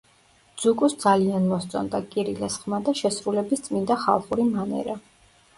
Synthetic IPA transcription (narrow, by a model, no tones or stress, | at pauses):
d̪z̥ukʼusd̪z̥alianmɔst̪sʼɔ̰nd̪akʼiɾilɛsχmad̪aʃɛsɾulɛbist̪sʼmind̪aχa̰lˠχuɾimanɛ̰ɾa